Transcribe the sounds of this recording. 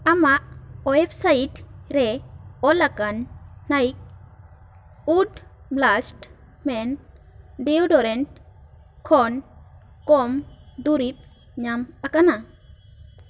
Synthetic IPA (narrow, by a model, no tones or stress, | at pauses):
amaʔɔɛpsaitɾɛɔlakanːajk̚ | udblasʈ | mɛn | deudɔɾɛn | kʰɔn | kɔmd̪uɾip̚ | ɲamakana